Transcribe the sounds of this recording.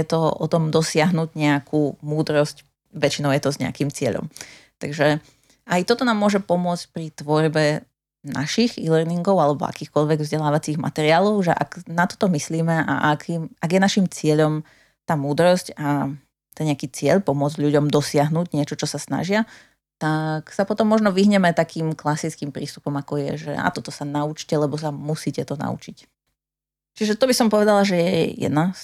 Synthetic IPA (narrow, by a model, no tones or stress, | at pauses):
jɛt̪ɔʔɔt̪ɔmd̪ɔsɪaɦnuɟɲɛakʰuːmuːd̪ɾɔsc | ʋɛt͡ʃinɔʊjɛt̪ɔzɲɛ̰a̰kimt͡sɪɛ̰ʎɔ̰mt̪aɡʒɛ | ʔajt̪ɔt̪ɔnaːmːʊɔʒɛpɔmʊɔt͡sc̚pɾit̪ʋɔɾbɛ | naʃiɣilɛɾniŋɡɔʊalɛbɔ̰a̰kiːxkɔʎʋɛɡvzɟɛlaːʋat͡siːɣma̰t̪ɛɾɪaːlɔʊʒɛ̰ʔa̰ɡnat̪ɔ̥t̪ɔmisliːmɛʔa̰ʔakʰimaɡjɛnaʃimt͡sɪɛʎɔm | t̪aːmuːd̪ɾɔsca | t̪ɛɲɛakiːt͡sɪɛʎpɔmʊɔd͡zɟʎuɟɔmd̪ɔsɪaɦnuɟɲɪɛt͡ʃɔt͡ʃɔsasna̰ʒɪa | t̪aksapɔt̪ɔmːɔʒnɔʋiɦɲɛmɛt̪akiːmklasit͡skiːmpɾḭːst̪upɔmakɔjɛ̰ʒɛ̰a̰t̪ɔt̪ɔsanaut͡ʃcɛlɛbɔs̬amusiːcɛt̪ɔna̰ṵt͡ʃic | t͡ʃiʒɛt̪ɔbisɔmpɔʋɛd̪alaʒɛjɛɛjɛ̰d̪nas